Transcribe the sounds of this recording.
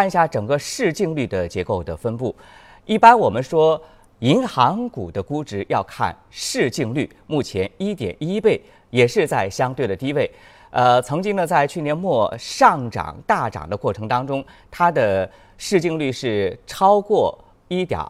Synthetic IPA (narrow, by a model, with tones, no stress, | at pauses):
a˥˧n˧ɕja˥˩ʈ͡ʂɤ˨˩ŋɡə˦ʂɻ̩˥˧t͡ɕi˥˧ŋly˥˩d̪ə˩t͡ɕjɛ˧˥ko˥˩ʊd̪ə˩fə˥npu˥˩ | i˥˩pa˥nwɔ˨˩mə˦nʂwɔ˥ | i˧˥ŋxɑ˧˥ŋku˨˩d̪ə˦ku˥ʈ͡ʂɻ̩˧˥jɑ˥˧ʊkʰa̰˥˧nʂɻ̩˥˧t͡ɕi˥˧ŋly˥˩ | mu˥˩t͡ɕʰjɛ˧˥ni˥t̪jɛ̰˨˩ni˥pe˥˩ɪ | jɛ˨˩ʂɻ̩˥˧t͡sa˥˩ɪɕjɑ˥ŋt̪we˥˩ɪdə˩t̪i˥˧˥we˥˩ɪ | ə˧t͡sʰɤ˧˥ŋt͡ɕi˥ŋd̪ə˨t͡sa˥˧ɪt͡ɕʰy˥˩njɛ˧˥nmwɔ˥˧ʂɑ˥˩˧ŋʈ͡ʂɑ̰˨˩ŋt̪a˥˩ʈ͡ʂɑ̰˨˩ŋd̪ə˦kwɔ˥˩ʈ͡ʂʰɤ˧˥ŋt̪ɑ˥ŋʈ͡ʂʊ˥ŋt̪ʰa˥d̪ə˨ | ʂɻ̩˥˧t͡ɕi˥˧ŋly˥˧ʂɻ̩˥˩ʈ͡ʂʰɑ˥ʊkwɔ˥˩ | i˥t̪jɑ̰˨˩˦